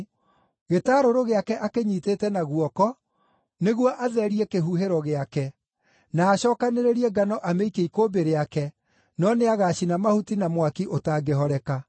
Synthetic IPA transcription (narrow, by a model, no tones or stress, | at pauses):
ɣetaːɾoɾoɣeakɛʔakeɲiːteːtɛnaɣuɔkɔ | neɣwɔʔaðɛɾiɛkeɦuɦeɾɔɣeakɛ | naːɕɔːkaneɾeɾiɛɡanɔʔameikeikobeɾeakɛ | nɔneaɣaɕinamahutinamwakiʔotaːɡeɦɔɾɛka